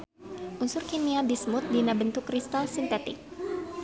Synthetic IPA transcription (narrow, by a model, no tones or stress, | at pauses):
ʔunsʊrkiniabismʊt̪̚dinabənt̪ʊkrist̪alsint̪ɛt̪ɪ̰k̚